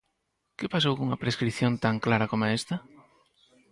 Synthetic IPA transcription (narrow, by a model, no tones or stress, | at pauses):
kɪpasowkuŋɐpɾeskɾiθjõnt̪aŋklaɾɐkomoaest̪ɐ